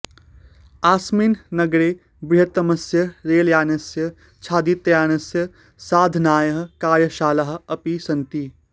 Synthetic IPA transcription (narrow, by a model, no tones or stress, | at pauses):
aːsminnɐɡɾeː | bɾiɦɐt̪ːɐmɐsjɐɾeːljaːnɐsjɐ | t͡ʃʰaːd̪it̪jaːnɐsjɐ | saːd̪ʱnaːjɐɦɐ̆kaːɾjɐʃaːlɐɦɐ̆ɐpisɐnt̪i